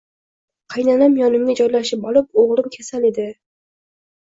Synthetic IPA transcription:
qʰɑjnanamjɒnɪmɡʲad͡ʒɒjlaʃɪpɒlˠɪp̚oʁlɪmkʲʰasaled̪ɪ

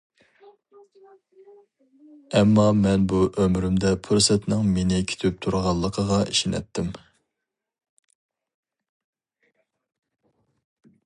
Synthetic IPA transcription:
ɛmːɑmɛnbuʔømɾymd̪ɛpʰuɾsɛt̪nɪŋmenɪkʲʰi̥t̪ʰyp̚t̪ʰuɾʁɑlˠːəqʰəʁɑiʃɪnɛ̰t̪ʰːɪm

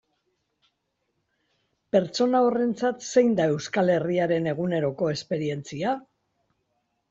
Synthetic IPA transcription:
pe̞ɾt͡so̞nao̞re̞nt͡sat̪se̞jnd̪ae̞wskale̞riaɾe̞ne̞ɣ̞une̞ɾo̞ko̞e̞spe̞ɾie̞nt͡sia

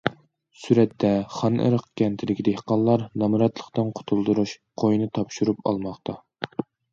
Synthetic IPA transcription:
syɾɛt̪ːɛχɑnʔə̰ɾəqkʲɛnt̪ʰɪlɪkʲid̪ehqɑnllˠːɑɾnɑmɨɾɑt̪lˠə̥χt̪ɨnqʰo̥t̪ʰulˠd̪uɾuʃ | qʰojnɨt̪ʰɑpʃuɾupɑ̰lˠmɑχt̪ʰɑ

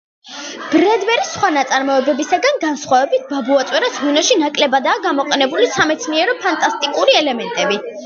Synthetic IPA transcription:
b̥ɾɛd̪vɛɾisχwanat̪sʼaɾmɔɛbɛbisaɡanɡansχwavɛbit̪̚ʰbabuat̪sʼwɛɾasʁunɔʃinakʼlɛbad̪aːɡamɔqʼɛnɛbulisamɛt̪sʰniɛɾɔpʰant̪ʼast̪ʼikʼuɾiɛlɛmɛnt̪ʼɛbi

